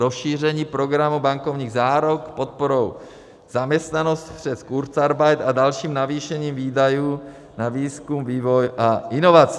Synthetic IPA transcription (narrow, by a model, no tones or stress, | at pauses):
ɾosʃiːrɛɲiːpɾo̞ɡɾamubaŋkovɲiːɣzaːɾokpot̪̚poɾow | z̥amɲɛst̪nanost̪pr̝̥ɛskuɾt͡saɾbajt̪adalʃiːmnaviːʃɛɲiːmviːdajuː | naviːskumviːvojʔaʔɪnovat͡s